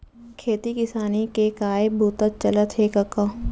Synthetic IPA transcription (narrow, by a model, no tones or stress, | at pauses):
kʰeːt̪ikɪsaːnikekaːebuːt̪ət̪̚t͡ʃɐlət̪ɦekɐkːa